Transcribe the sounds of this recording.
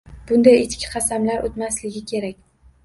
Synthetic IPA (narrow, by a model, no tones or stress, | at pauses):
b̥ʊnd̪ajɪt͡ʃ̪kʲʰɪ̥qʰɑsamlaɾʔot̪maslɪɡʲɪkʲʰe̞ɾakʲ